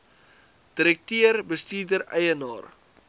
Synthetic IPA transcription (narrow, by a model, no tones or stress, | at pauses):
d̥iɾɛk̚tiərbəstiːrdəɾɛjənɑːr